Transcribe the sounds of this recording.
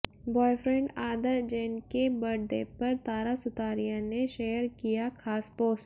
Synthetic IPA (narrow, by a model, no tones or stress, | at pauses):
bɔːjfɾɛ̃ɳɖaːd̪əɾd͡ʒɛːnkebɐɽd̪epɐɾt̪aːɾasʊt̪aːɾijãneʃeːəɾkijakʰaːsbɔːs